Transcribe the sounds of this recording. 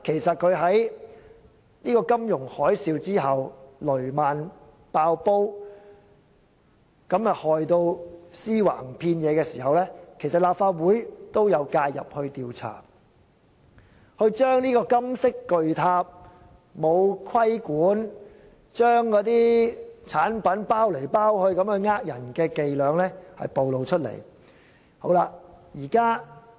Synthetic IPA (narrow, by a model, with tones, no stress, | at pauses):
kʰe˨˩jsɐ˨t̚kʰɵ˨˧ɥɦɐ˨˥j | niː˥kɔː˧kɐ˥mjʊ˨˩ŋhɔː˨˥jsiː˧wt͡siː˥ɦɐ˨wlɵ˨˩ɥmaː˨n | paː˧wpo˥w | kɐ˨˥mjɐ˨t̚hɔː˨˩jt̪o˧wsiː˥wa̰ː˨˩ŋpʰiː˧njɛː˨˧kɛː˧siː˨˩ɦɐ˨wlɛː˥kʰe˨˩jsɐ˨t̚laː˨p̚faː˧t̚wuː˨˥jt̪o˥wjɐ˨˧wkaː˧jjɐ̰˨p̚hɵ˧ɥt̪iː˨wt͡sʰa̰ː˨˩ | hɵ˧ɥt͡ʃœː˥ŋniː˥kɔː˧kɐ˥msɪ˥kːɵ˨ɥt̪ʰaː˧p̚ | mo˨˧wkʰwɐ˥jkuː˨˥n | t͡ʃœː˥ŋkɔː˨˧t̪iː˥t͡sʰaː˨˥npɐ˨˥npaː˥wle˨˩jpaː˥whɵ˧ɥkɐ˨˧˥mhɵ˧ɥŋaː˥k̚jɐ̰˨˩nkɛː˧ke˨jlœː˨˧ŋlɛː˥hɐ̰˨jpo˨wlo˨˧wt͡ʃʰɵ˥t̚lḛ˨˩j | ho˨˥wlaː˧jiː˨˩kaː˥